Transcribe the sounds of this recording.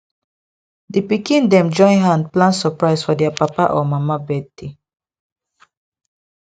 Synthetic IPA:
depikĩndɛ̃md͡ʒɔ̃j̃nɦãndplãnsəpɹaɪsfɔdɛapapaʔɔmamabɛtːi

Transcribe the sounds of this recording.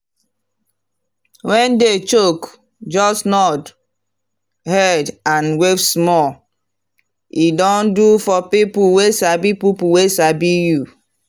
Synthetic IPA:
wɛ̃ndet͡ʃok | d͡ʒɔsnɔd | hɛdãnwepsmɔ | idɔ̃ndufɔpipuwesabipipuwesabiju

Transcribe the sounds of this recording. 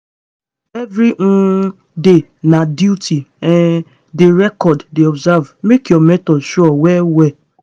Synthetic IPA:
evɾiŋ̩ | denaduutʰiɛn | dɪɾɛkɔdːeɔbzavmekjɔmɛtɔdʃɔɔwɛwɛ

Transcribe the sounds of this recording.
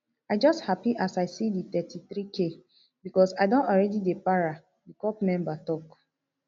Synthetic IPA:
aɪd͡ʒɔsthapiʔasaɪsidit̪ɛtiθɾikʰe | bikɔsaɪdõntɔɹɛdidepaɹa | dikɔpmɛ̃mbatɔk

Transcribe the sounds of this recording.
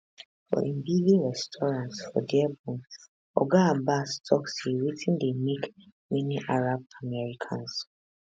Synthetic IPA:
fɔ̰ʔĩmbiɡiɹɛstʰɔɹãntfɔ̰diabũm | ɔ̰ɡabastʰɔksiɹitʰĩndemik | miniʔaɹab̚amɛɹikʰã̰ns

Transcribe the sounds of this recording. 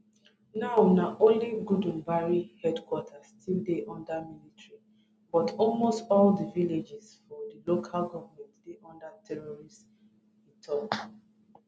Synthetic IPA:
naʊnaʔõnliɡudũmbaɹihɛdkwɔtʰastildeʔɔ̃ndamilitɹi | bɔtʰɔlmostɔldəviled͡ʒisfɔdilokʰalɡɔvamɛ̃ntdeʔɔ̃ndatʰɛɹɔɹist | itʰɔk

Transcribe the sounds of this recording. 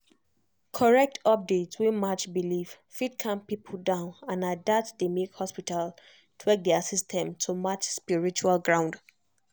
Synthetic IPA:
kʰɔɹɛk̚tʰɔp̚detswĩmat͡ʃbiliv | fidkʰãmpipʰudãʊ̃nãnadatdemekhɔspital | tʰwɛk̚dɛasistʰɛ̃mtʰumat͡ʃspiɹit͡ʃualɡɹãʊ̃nd

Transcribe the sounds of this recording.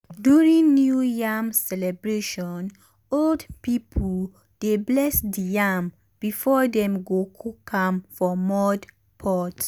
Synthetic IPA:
djuɹĩŋnjujamsɛlɛbɹeʃɔ̃n | oldpipʰu | d̥eblɛsdijam | b̥ifɔdɛ̃mɡokʰukʰãmfɔmɔd | pʰɔt

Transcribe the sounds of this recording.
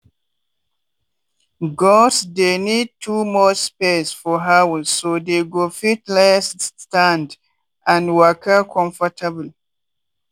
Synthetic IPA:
ɡɔsdenid̚tʰumɔspesfɔɦawsodeɡofitlɛsstãnd | ãnwəkʰəkʰɔ̃ɱfətʰabl̩

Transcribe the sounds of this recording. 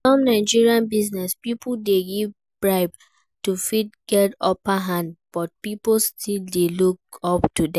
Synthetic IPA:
ɔ̃mnaɪd͡ʒiɹiãnbiznɛspipʰldeɡiv | b̥ɹaɪb | tufidɡ̥ɛtɔpaɦãndb̥ɔt̚pipl̩stʰildelukɔptudɛ̃

